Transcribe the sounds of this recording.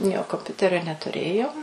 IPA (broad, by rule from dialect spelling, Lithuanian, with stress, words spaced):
ˈjoː koːmʲˈpʲʊtʲɛrʲoː nʲɛtʊˈrʲeːjoːm